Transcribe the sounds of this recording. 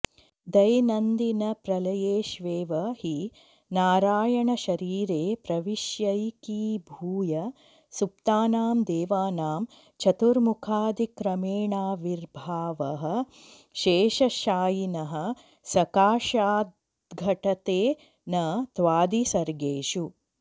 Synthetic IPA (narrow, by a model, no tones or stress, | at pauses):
d̪ɐjnɐnd̪inɐpɾɐlɐjeːʃʋeːʋɐhi | naːɾaːjɐɳɐʃɐɾiːɾeːpɾɐʋiʃjɐjkiːbʱuːjɐ | sup̚t̪aːnaːmd̪eːʋaːnaːm | t͡ʃʰɐt̪uɾmukʰaːd̪ikɾɐmeːɳaːʋiɾbʱaːʋɐɦɐ̆ | ʃeːʃɐʃaːjinɐɦɐ̆ | sɐkaːʃaːd̪ | ɡʱɐʈɐt̪eː | nɐt̪ʋaːd̪isɐɾɡeːʃu